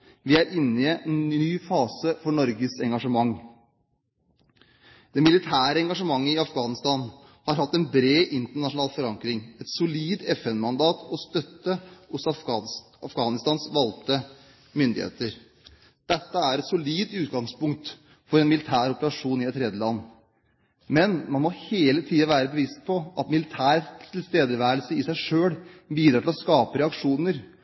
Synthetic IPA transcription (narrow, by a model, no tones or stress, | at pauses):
ʋɪæɾʔɪnːɪyːfɑːsəfɔɳɔɾɡəsɛŋɡɑʂəmɑŋː | d̪̥ɛmɪlɪt̪ʰæːɾəɛŋɡɑʂəmɑŋːəɪɑfɡɑːnɪst̪ɑːn | hɑɾhɑt̪ːɛnbɾeːʔɪnt̪əɳɑʂʊnɑːlfɔɾɑŋkɾɪŋɛt̪sʊliːd̪ɛfɛnmɑnd̪ɑːt̪ʰɔst̪œt̪ːəʊs | ɑfɡɑːnɪst̪ɑːnsʋɑlt̪ə | mʏnd̪ɪ̰hḛːt̪əɾ | d̪̥ɛt̪ːəæɾɛt̪sʊliːd̪ʉːt̪ɡɑŋspʰʊŋk̚t̪ | fɔɾɛnmɪlɪt̪ʰæːɾɔpəɾɑʂuːnɪɛt̪ʰːɾɛːd̪əlɑnː | mɛnmɑnmɔheːlət̪ʰiːɑʋæːɾəbəʋɪst̪̚pʰɔʔɑt̪mɪlɪt̪ʰæːɾt̪ʰɪlst̪eːd̪əɾʋæːɾəlsəɪsæɪʂøːɽbiːd̪ɾɑːʈ̪ʰɪlɔskɑːpəɾɛɑkʂuːnəɾ